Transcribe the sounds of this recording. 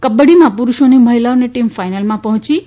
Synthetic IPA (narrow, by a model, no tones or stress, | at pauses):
kəbəɽimãpuɾuʃoniməɦilaoneʈimfajnəlmãpəɦɔ̃t͡ʃi